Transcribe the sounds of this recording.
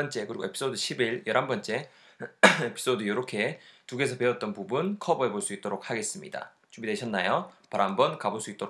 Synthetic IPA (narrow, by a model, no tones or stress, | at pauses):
ʌnt͡ɕ͈e̞kɯɾiɡoepʰi̥s͈ʰodɯɕʰibiɭjʌɾɦanbʌnt͡ɕ͈e̞ | e̞pʰi̥s͈odɯjoɾokʰe̞tuɡe̞sʰʌpe̞ʌt̚t͈ʌnpubunkʰʌbʌɦeboɭs͈uit͈oɾok̚haɡe̞s͈ɯmɲḭda̰ | t͡ɕumbideɕʰʌnːajopaɾaɦambʌnkaboɭs͈uit͈̚oɾ